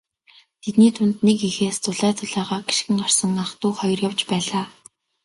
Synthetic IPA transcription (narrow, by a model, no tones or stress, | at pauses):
t̪ʰet̪niːt̪ʰʊnt̪nekixeːst͡sʰʊɮæːt̪ʰʊɮæːʁaːɡe̥ʃxɘ̆ŋɢar̥sə̆ŋaχt̪uːχɔjɞ̆rjawt͡ɕpæːɮaː